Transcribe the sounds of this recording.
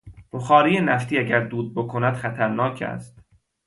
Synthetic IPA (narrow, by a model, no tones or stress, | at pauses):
b̥oxɒːɾiːjenæft̪ʰiːæɟæɾd̪uːd̪̚bokʰo̞næd̪xæt̪ʰæɾnɒːcʰæ̰st̪